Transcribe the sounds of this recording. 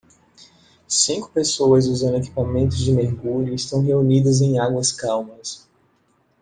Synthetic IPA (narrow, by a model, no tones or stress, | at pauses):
sĩŋkʊ̥pesoɐzʊzẽñeki̥pamẽnt̪ʊzd͡ʒɪmeɾɡuʎʊɪst̪ɐ̃w̃ɦeunid̪ɐzẽj̃aɡwɐskawmɐs